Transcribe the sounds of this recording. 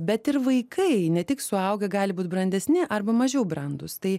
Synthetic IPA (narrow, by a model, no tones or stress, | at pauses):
bʲɛt̪ɪɾʋɐɪkʰɐɪnʲɛt̪ʲɪksʊɐʊɡʲɛɡɑːlʲɪbuːt̪bɾɐnʲd̪ʲɛsʲnʲɪʔɐrbɐmɐʒʲɛʊbɾɐnd̪ʊst̪ɐɪ